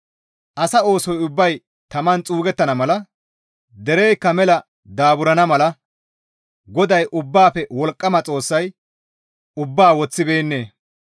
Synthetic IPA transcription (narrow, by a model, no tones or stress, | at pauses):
ʔɐsɐo̞ːsɔjʊbːɐj | t̪ɐmɐnt͡sʼuːɡɛt̪ːɐnɐmɐlɐ | d̪ɛɾɛjkːɐmɛlɐ | d̪aːbʊɾɐnɐmɐlɐ | ɡɔd̪ɐjʔʊbːaːpɛwɔlkʼːɐmɐt͡sʼo̞ːsːɐj | ʊbːaːwɔt͡sːɪbe̞ːnːe̞ː